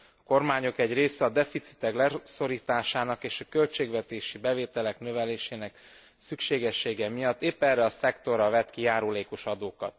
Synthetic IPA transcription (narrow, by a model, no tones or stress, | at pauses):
ɒko̞rmaːɲo̞kɛɟreːsɛɒd̪ɛfit̪si̥t̪ɛklɛso̞ɾiːt̪aːʃaːnɒkeːʃɒkø̞lt͡ʃeːɡvɛt̪eːʃibɛveːt̪ɛlɛknø̞vɛleːʃeːnɛk | sykʃeːɡɛʃːeːɡɛmijɒt̪ːeːpːɛɛrɛɒsɛkt̪o̞rɒvɛt̪kijaːɾuleːkoʃɒd̪oːkɒ̰t̪̚